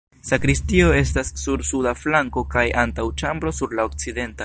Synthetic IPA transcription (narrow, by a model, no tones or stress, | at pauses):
sakɾistio̞e̞stasːuɾsudaflaŋko̞kajʔantawt͡ʃambɾo̞suɾlao̞kt͡side̞nta